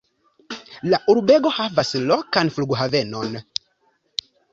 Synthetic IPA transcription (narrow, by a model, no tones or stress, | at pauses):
laʔuɾubeɡohavaslɔkanfluɡuɦavenon